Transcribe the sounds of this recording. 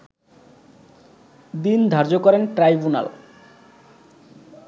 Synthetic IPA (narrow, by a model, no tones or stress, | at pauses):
d̪ind̪ʱaɾd͡ʑokɔɾenʈɾajbuna̰l